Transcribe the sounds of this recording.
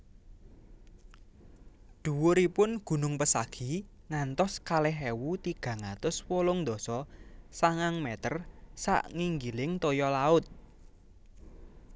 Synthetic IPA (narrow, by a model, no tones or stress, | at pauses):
d̪̥ṳwʊɾipʊnɡ̥ṳnʊŋpəsaɡ̥i̤ | ŋant̪ɔskalɛɦewut̪iɡ̥a̤ŋat̪ʊswolʊŋnd̪ɔ̤sɔsaŋaŋmɛt̪ərsa̰ʔŋiŋɡilɪŋt̪ojɔlaʊt̪̚